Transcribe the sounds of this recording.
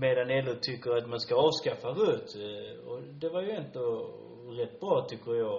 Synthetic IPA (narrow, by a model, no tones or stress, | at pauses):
meːd̪anɛlːət̪ʰʏkːəɾat̪manskaɑːvskafːaɾɵt̪ː | ɔd̪ɛvaɾjɵɛnt̪o | ɾɛt̪ːbɾɑːt̪ʰʏkʰːəɾjɑː